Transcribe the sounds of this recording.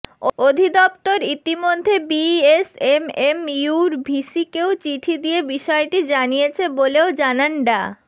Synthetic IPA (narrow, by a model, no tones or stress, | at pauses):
ood̪ʱid̪ɔp̚t̪oɾit̪imod̪ʱːebiesememjuɾbʱiʃikeot͡ɕiʈʰid̪iebiʃɔeʈid͡ʑanijet͡ɕʰeboleod͡ʑananɖa